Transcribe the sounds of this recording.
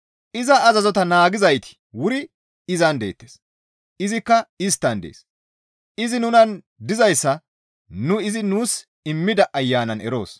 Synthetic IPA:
ʔɪzɐːzɐzɔt̪ɐnaːɡɪzɐjt̪ɪ̥ | wʊɾɪ | ɪzɐnd̪e̞̰ːt̪ːes | ɪzɪkːɐɪs̬t̪ːɐnd̪ḛːs | ʔɪzɪnʊnɐn | d̪ɪzɐjsːɐ | nʊɪzɪnuːs | ɪmːɪd̪ɐʔɐjːaːnɐnɛ̰ɾo̞̰ːs

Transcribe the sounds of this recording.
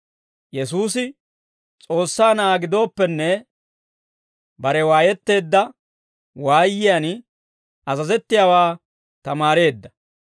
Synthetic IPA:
jɛsuːs̬ɪ | t͡sʼo̞ːsːaːnaːɡɪd̪o̞ːpːɛnːɛ | bɐɾɛwaːjɛt̪ːe̞ːd̪ːɐ | waːjːɪjan | ɐzɐzɛt̪ːɪjaːwaː | t̪ɐmaːɾe̞ːd̪ːɐ

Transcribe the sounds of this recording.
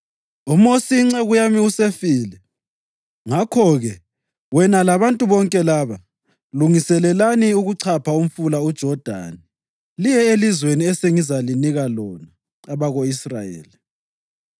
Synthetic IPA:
umosiŋ͡ǀɛɣujamiusefiːlɛ | ŋakʰɔɣɛ | wɛnalaβantʼuβɔŋkʼɛlaβa | luŋisɛlɛlaniuɣuǀʰapʰaum̩fulaud̥ʒ̥ʱɔd̥ʱa̰ːni | lijɛelizweniɛseŋizaliniɣalɔnaː | βaɣoisra̰jḛːli

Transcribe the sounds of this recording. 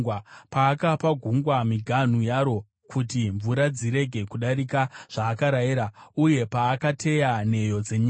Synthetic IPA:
wpaːkapaɡʱuŋɡwamiɡʱan̤ujaɾo̞ | kʰutiɱvuɾad͡ziɾe̞ɡʱe̞kuɗaɾikaʐ̥aːkaɾajiɾauje̞paːkatʰe̞jane̞jo̞d͡zeɲi

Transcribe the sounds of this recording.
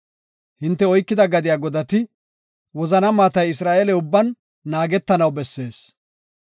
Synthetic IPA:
hɪnt̪ːɛɔjkːɪd̪ɐɡɐd̪ɪjaːɡɔd̪ɐt̪ɪ | wɔzɐnɐmaːt̪ɐjɪs̬ɾaːʔelɛʊbːɐnː | aːɡɛt̪ːɐnɐwbɛsːe̞ːs

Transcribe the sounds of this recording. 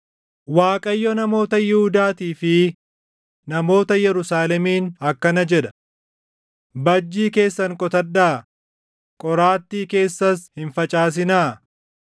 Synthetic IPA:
waːkʼɐjːɔnɐmo̞ːt̪ɐjɪhʊd̪aːt̪iːfɪ | nɐmo̞ːt̪ɐjɛɾʊsaːlɛmiːnɐkːɐnɐd͡ʒɛᶑɐ̥ | bɐd͡ʒːiːke̞ːsːɐŋkʼɔt̪ɐdːaː | kʼɔɾaːt̪ːiːke̞ːsːɐshɪnfɐt͡ʃʼaːs̬ɪnaː

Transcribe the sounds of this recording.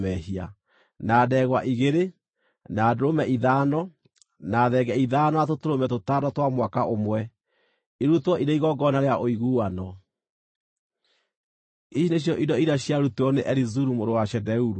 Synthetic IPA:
mɛhia̰ | naːdɛɣwaʔiɣeɾe | naːdoɾomɛʔiðaːnɔ | naðɛɡɛiðaːnɔatotoɾomɛtotadɔtwamwakaʔomwɛ | iɾutwɔʔiɾeiɣɔɡɔnaɾeaʔoiɣuːwanɔ | iʃineɕjɔʔidɔiɾaɕjaɾuteɔneʔɛɾizuɾumoɾowaʃɛdɛuɾu

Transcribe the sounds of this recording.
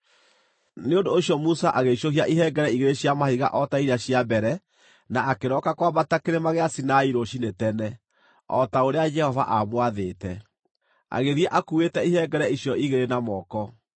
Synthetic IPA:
neondoːɕjɔmusaʔaɣeʃohiaʔiɦɛɡɛɾɛiɣeɾeɕjamahiɣa̰ʔɔtaiɾaɕiabɛɾɛ | naakeɾɔkakwaβatakeɾemaɣeasinaiɾoʃinetɛnɛ | ɔ̰taoɾead͡ʒɛhɔva̰ʔamwaðetɛ | a̰ɣeðiaʔakuetɛiɦɛɡɛɾɛiɕjɔiɣeɾenamɔkɔ

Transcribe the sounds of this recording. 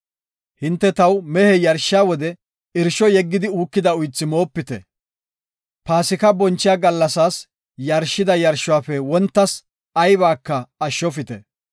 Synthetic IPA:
hɪnt̪ːɛt̪ɐwmɛhɛjɐɾʃɪaːwɔd̪ɛ | ɪɾʃɔjɛɡːɪd̪ɪuːkːɪd̪ɐʊjt͡sːɪmo̞ːpːɪt̪ɛ | paːsɪkɐbɔnt͡ʃːɪjaːɡɐlːɐsaːs | jɐɾʃɪd̪ɐjɐɾʃːʊwaːfɛwɔnt̪ːɐs | ɐjbaːkːɐɐʃːɔfɪt̪ɛ

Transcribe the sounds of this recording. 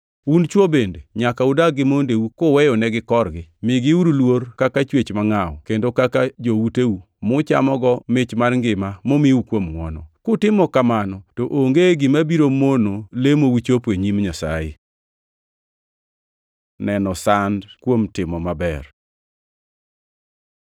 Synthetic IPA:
unt͡ʃwobendeɲakaʊdaɡɪmondewukʊwɛjɔnɛɡɪkɔrɡɪmɪɡɪuɾulworkakat͡ʃwet͡ʃmaŋaɔ̰kendokakad͡ʒowuteu | mʊt͡ʃa̰mɔɡɔmɪt͡ʃmarŋɡɪmamomɪwukwomŋwɔ̰nɔ̰kʊtɪmɔkamanɔtoʔoŋɡeɡɪmabiɾomonolemowit͡ʃopweɲimɲasa̰jḛ | nɛnɔsandkwomtɪmɔmabɛr

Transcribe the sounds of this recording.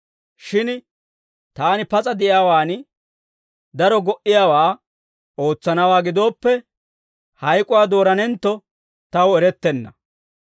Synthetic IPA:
ʃɪn | t̪aːnɪpɐt͡sʼɐd̪ɪʔjaːwaːn | d̪ɐɾɔɡɔʔɪjaːwaː | o̞ːt͡sːɐnɐwaːɡɪd̪o̞ːpːɛ | hɐjkʼʊwaːd̪o̞ːɾɐnɛnt̪ːɔ | t̪ɐwɛɾɛt̪ːɛnːɐ

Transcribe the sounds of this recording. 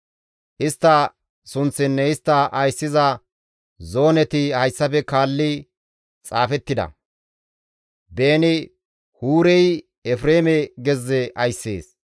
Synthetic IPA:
ʔɪst̪ːɐ | sʊnt͡sːɪnːɛɪst̪ːɐʔɐjsːɪzɐ | zo̞ːnɛt̪ɪhɐjsːɐpɛkaːlːɪ | t͡sʼaːfɛt̪ːɪd̪ɐ̰ | be̞ːnɪ | huːɾɛj | ɛfɾeːmɛɡɛzːɛʔɐjsːe̞̰ːs

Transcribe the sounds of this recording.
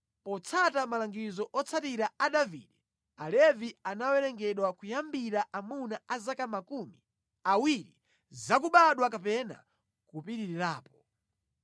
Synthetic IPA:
pɔt͡sʰatamalaŋɡizɔʔɔt͡sʰatiɾaaɗavḭːɗɛ | alɛvianawɛɾɛŋɡɛɗwakujambiɾaʔamunaazakamakumi | awiɾi | zak̬uɓaɗwakapɛna̰ | kupiɾiɾiɾaːpɔ̥

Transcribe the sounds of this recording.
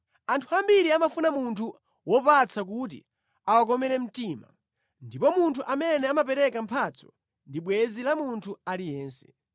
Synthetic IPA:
antʰuambiɾiamafunamuntʰu | wɔpat͡sak̬ut̬ḭ | awak̬ɔmɛɾɛm̩tima | ndipɔmuntʰuʔamɛnɛamap̬ɛɾɛkampʰat͡sʰɔ̥ | ndiɓwɛzilamuntʰualijɛːnsɛ̥

